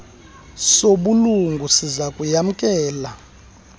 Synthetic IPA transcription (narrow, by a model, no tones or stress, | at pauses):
soɓuluŋɡʱusizakʼujam̩kʼɛːla